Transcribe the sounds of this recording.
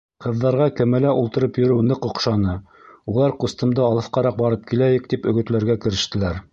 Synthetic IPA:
qɤ̆ðːɑɾʁɑkɘ̆mælæʔulˠt̪ɤ̆ɾɤpjɵ̆ɾɘwnɤqŏqʃɑnɤ | ulˠɑɾqust̪ɤ̆md̪ɤɑlˠɤ̆fqɑɾɑq̚bɑɾɤp̚kilæjɘ̆k̚t̪ipɵ̆ɡɵ̆t̪læɾɡækɘ̆ɾɘ̆ʃt̪ɘ̆læɾ

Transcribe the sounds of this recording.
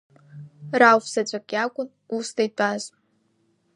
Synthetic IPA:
rawfsat͡ɕʷʼakʼjakʷʼʊn | ustajtʼaz

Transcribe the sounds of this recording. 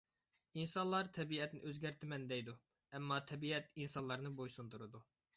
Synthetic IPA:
insɑnlˠɑɾt̪ʰɛbiɛt̪nɪ̰ʔøzɡʲɛɾt̪ʰɪmɛnd̪ɛjd̪u | ɛmːɑt̪ʰɛbiɛt̪insɑnlˠɑɾnɨbojsunt̪ʰuɾɨd̪u

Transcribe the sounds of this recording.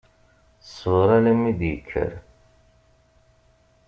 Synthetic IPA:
sˤvɾˤælæmːid̪jəkʰːə̰ɾ

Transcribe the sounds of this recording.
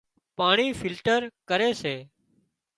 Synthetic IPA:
paːɳ̃iːfʰɪlʈəɾkəɾeːseː

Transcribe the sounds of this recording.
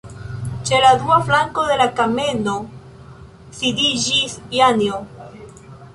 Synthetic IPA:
t͡ʃelad̪uaflaŋkoðe̞lakameno | sid̪id͡ʒisjanjo

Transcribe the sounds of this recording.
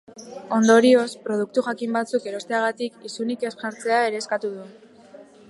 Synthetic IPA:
o̞nd̪o̞ɾio̞spɾo̞ðuk̚t̪uxakimbat͡suke̞ɾo̞st̪e̞aɣ̞at̪ikisunike̞sʝaɾt͡se̞ae̞ɾe̞ːskat̪uð̞u

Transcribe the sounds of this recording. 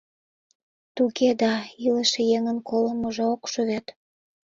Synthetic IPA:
t̪uked̪ɑiləʃejeŋənkoləməʒeokʃyβet̪

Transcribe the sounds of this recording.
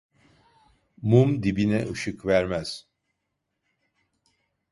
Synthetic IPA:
mumd̪ibinɛʔɯʃɯkvæɾmæz̥

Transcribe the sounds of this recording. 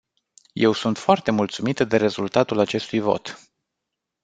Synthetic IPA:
je̞wsunt̪foart̪e̞mult̪sumit̪d̪e̞ɾe̞zult̪at̪ulat͡ʃe̞st̪ujvo̞̰t̪

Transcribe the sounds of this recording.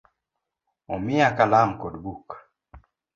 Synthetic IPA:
omiakalamkodbuk

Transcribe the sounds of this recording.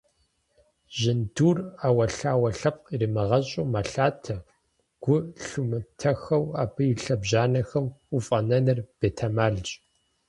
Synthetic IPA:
ʑɪnduːraːwɐɬaːwɐɬɐp̚ʼqirimɐʁɐɕʼuːmaːɬaːtʰɐ | ɡ̥ʷʊɬumɨtʰɐxɐwa̰ːbʰɨjɪɬɐbʑaːnɐxɐmufʼɐnɐnɨrb̥eːtʰamaːɮt͡ʃʼ

